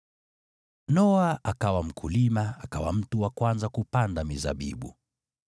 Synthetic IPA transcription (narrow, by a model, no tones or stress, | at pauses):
nɔaakawam̩kʰulimaakawa̰m̩tuwakwanzakupandamiza̰ɓḭɓṵ